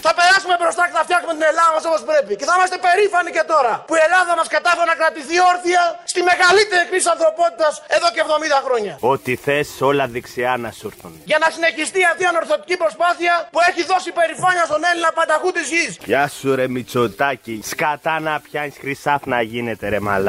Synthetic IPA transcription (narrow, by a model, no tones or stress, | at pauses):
θɐpe̞ɾɐsume̞bɾost̪ɐce̞θɐft̪çɐksumet̪ine̞lɐðɐmɐs̬o̞po̞spɾe̞pice̞θɐimɐst̪e̞pe̞ɾifɐnice̞t̪o̞ɾɐpuie̞lɐðɐmɐskɐt̪ɐfeɾenɐkɾɐt̪iθio̞ɾθiɐst̪ime̞ɣɐlit̪eɾikɾit̪isɐnθɾo̞po̞t̪it̪ɐse̞ðo̞ceːvðo̞mid̪ɐxɾo̞ɲɐot̪iθe̞so̞lɐðiksiɐnɐsuɾθunʝɐnɐsine̞çist̪iɐt̪iɐno̞ɾθo̞t̪i̥cipɾo̞spaθiɐpue̞çiðo̞sipe̞ɾifaɲɐst̪o̞ne̞linɐpɐnd̪ɐɣut̪izʝispçasuɾemit͡sot̪aciskɐt̪ɐnɐpçɐisxɾisɐfnɐʝinet̪eɾema̰lɐ